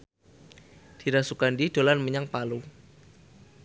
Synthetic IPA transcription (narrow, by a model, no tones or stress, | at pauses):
d̥i̤ɾasukandid̥o̤lanməɲaŋpalu